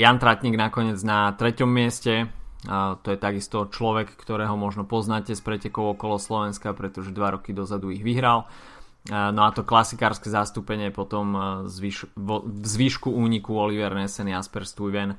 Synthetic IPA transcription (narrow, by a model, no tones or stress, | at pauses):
jant̪ɾacɲiɡnakɔɲɪɛd͡znat̪ɾɛcɔmːɪɛscɛ | t̪ɔjɛt̪aɡist̪ɔt͡ʃlɔʋɛkːt̪ɔɾɛːɦɔmɔʒnɔpɔznacɛspɾɛcɛkɔʊɔkɔlɔslɔʋɛnskapɾɛt̪ɔʒɛd̪ʋaɾɔkid̪ɔzad̪uiɣʋiɦɾal | nɔat̪ɔklasikaːɾskɛzast̪upɛɲɪɛpɔt̪ɔmzʋiʃʋɔvzʋiʃkuuːɲikuɔliʋɛɾnɛsɛniaspɛɾst̪ujʋɛn